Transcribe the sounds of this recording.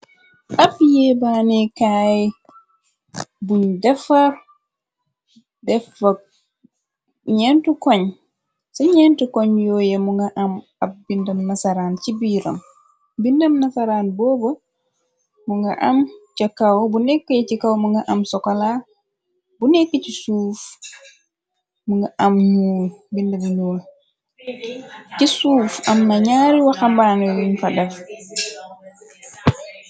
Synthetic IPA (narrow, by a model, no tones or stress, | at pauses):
ʔabijɛbanɛkaɛ | buɲdɛfaɾ | dɛfa | ɲɛntukɔɲ | saɲɛntukɔɲjɔːjɛmuŋɡaʔam | ab̚bindamnasaɾant͡ʃibiːɾa̰m | bindamnasaɾanbɔbɔ | muŋɡɐ̰ʔamcɐkawbunɛkːəjcikawmuŋɡɐʔɐmsɔkɔla | bunɛkːəcisuːf | muŋɡɐʔɐamɲuːlbindɐmɲuːl | cisuːfɐmnɐɲaːɾiwaxambaːnɔjuɲfɐdɛf